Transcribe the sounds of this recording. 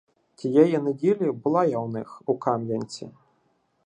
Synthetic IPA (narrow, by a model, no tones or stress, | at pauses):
kʲijajɛnɨdʲilʲibɨlˠajawnɨxukamjʲɐnʲt͡sʲḭ